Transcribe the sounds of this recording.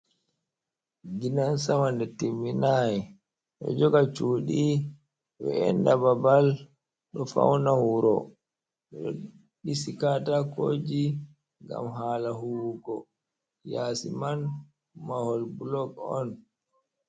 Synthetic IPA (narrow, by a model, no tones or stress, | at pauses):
d͡ʒinansamandɛtimːinajɛ | ɗɔ̰d͡ʒɔɡat͡ʃuːɗi | wɛ̰ɛndababal | ɗɔfa̰wnahuɾɔ | ɛɗɔ̰ | ɗisikatakoːd͡ʒi | ŋɡa̰mɦaːlaɦuwukɔ | jaːsiman | mahɔlbulɔɡɔn